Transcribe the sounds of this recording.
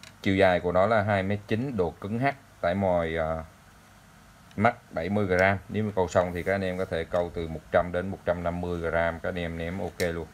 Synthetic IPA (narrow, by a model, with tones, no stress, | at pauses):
t͡ɕḭ˧˨wzaː˨˩jku˧˩ənɔ˨˦laː˨˩ɦaː˧jmɛ˦˥t̚t͡ɕi˨˦nɗo˨˩kɨ˨˦ŋɦaː˦˥k̚t̪a̰ː˧˨jmɔ˨˩jəː˨˩ | ma˦˥t̚ɓa˧˩jmɨ˧jɣaː˨˩zaː˧mne˨˦wkə˧wsə˧wŋ͡mt̪ʰi˨˩kaː˦˥k̚ʔa˧˨nʔɛ˧mkɔ˨˦t̪ʰe˧˩kə˧wt̪ɨ˨˩mo˨˩t̚t͡ɕa˧mɗe˨˦nmo˨˩t̚t͡ɕa˧mna˧mːɨ˧əjɣaː˨˩zaː˧mkaː˦˥k̚ʔa˨˩nʔɛ˧mnɛ˨˦mʔo˧ke˧lu˧ən